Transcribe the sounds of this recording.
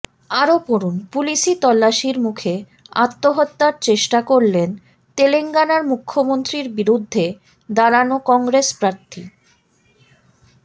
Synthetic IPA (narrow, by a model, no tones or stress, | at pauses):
aɾopoɾunpuliʃit̪ɔlːaʃiɾmukʰe | a̰t̪ːoɦot̪ːaɾt͡ɕeʃʈakoɾlen | t̪eleŋɡanaɾmukʰːomont̪ɾiɾbiɾud̪ʱːe | d̪aɾanokɔŋɡɾespɾaɾt̪ʰi